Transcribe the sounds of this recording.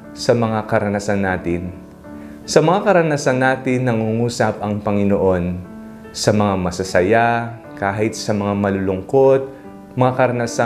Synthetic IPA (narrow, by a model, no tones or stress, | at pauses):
sɐmɐŋakɐɾɐnɐsanːaːt̪ɪn | sɐmɐŋakɐɾɐnɐsanːaːt̪ɪnːɐŋuŋuːsɐp̚ʔɐŋpɐŋɪnoʔo̞n | sɐmɐŋamɐsɐsɐja | kaːɦɪt̪sɐmɐŋamɐlʊlʊŋko̞t̪̚ | mɐŋakɐɾɐnɐsa